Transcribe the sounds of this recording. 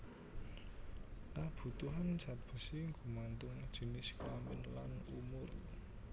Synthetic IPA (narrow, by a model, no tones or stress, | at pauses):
kab̥ṳt̪uɦan̥d͡ʒ̥a̤t̪̚b̥ə̤siŋɡṳmant̪ʊŋd̥ʒ̥i̤nɪskampɪnla̰numʊr